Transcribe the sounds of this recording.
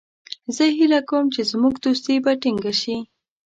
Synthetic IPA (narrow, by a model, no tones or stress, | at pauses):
zəɦilakawəmt͡ʃezmuɡd̪os̬t̪ebaʈiŋɡaʃi